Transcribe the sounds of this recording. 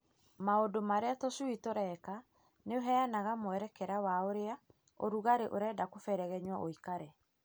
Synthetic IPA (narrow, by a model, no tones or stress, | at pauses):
maodomaɾeatɔsuitoɾɛka | neoɦɛanaɣamwɛɾɛkɛɾawaoɾea | o̰ɾuɣaɾeʔoɾɛːdakofɛɾɛɣɛɲwɔʔoikaɾɛ